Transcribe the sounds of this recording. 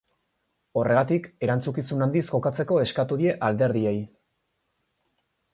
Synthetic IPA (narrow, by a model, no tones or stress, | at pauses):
o̞re̞ɣat̪ike̞ɾant͡sukisunand̪isko̞kat͡se̞ko̞e̞skat̪uðie̞ʔald̪e̞ɾðie̞j